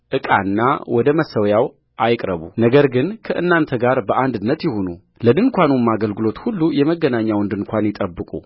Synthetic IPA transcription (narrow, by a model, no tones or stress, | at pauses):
ʔɨkʼa̰nːa̰wɔd̪əməsːəwjaw | ʔajkʼɾəβunəɡəɾɡɨnkʰəʔɨnːant̪ʰəɡaɾbəʔand̪ɨnːət̪jɪho̞nu | ləd̪ɨnkʷʰanumːaɡəlɡɨlo̞t̪hulːujɛməɡːənaɲːawnd̪ɨnkʷʰanjɪt̪ʼəbːɨkʼṵ